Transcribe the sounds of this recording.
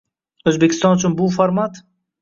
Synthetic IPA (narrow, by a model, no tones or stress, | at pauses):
ozbeki̥st̪ɑ̃ːnt͡ʃumbuːfɐɾmat̪